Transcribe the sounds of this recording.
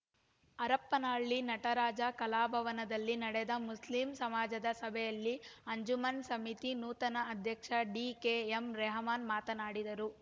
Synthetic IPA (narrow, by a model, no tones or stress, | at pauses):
ɐɾɐpːɐnaːɭːinɐʈɐɾaːd͡ʒɐkɐlaːbʱɐʋɐnɐd̪ɐlːinɐɽɛd̪ɐmusliːmsɐmaːd͡ʒɐd̪ɐsɐbʱɛjɐlːiɐɲd͡ʒumɐnsɐmit̪inuːt̪ɐnɐːd̪ʱjɐkʂɐɖiːkeemɾɛɦɐmaːnmaːt̪ɐnaːɽid̪ɐɾu